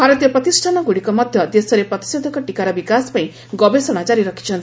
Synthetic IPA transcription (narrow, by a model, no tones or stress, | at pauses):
bʱaɾɔt̪jɔpɾʌt̪isʈʰanɔɡuɽikɔmʌd̪ʱjʌd̪esɔɾepɾʌt̪i̥sed̪ʱɔkɔʈikaɾɔbikaspaĩ | ɡɔbesɔɽ̃at͡ʃaɾiɾʌkʰi̥t͡ʃʰʌnt̪i